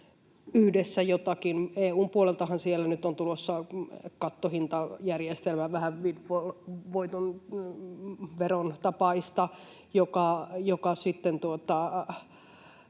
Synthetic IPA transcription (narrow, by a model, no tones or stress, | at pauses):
yhdesːæjot̪ɑkineːuːmpuolelt̪ɑhɑnsielːænyt̪ont̪ulosːɑkɑt̪ːohint̪ɑjærjest̪elmæʋʋæhæʋʋidʋolʋoit̪on | ʋeront̪ɑpɑist̪ɑ | jokɑjokɑsit̪ːent̪uot̪ɑ